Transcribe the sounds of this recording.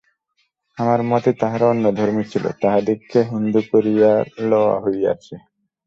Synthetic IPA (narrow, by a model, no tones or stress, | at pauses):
amaɾmɔt̪et̪aɦaɾɔnːod̪ʱoɾmit͡ɕʰilo̰t̪aɦad̪ikʰːeɦund̪ukoɾijalɔwa̰ɦoja̰t͡ɕʰe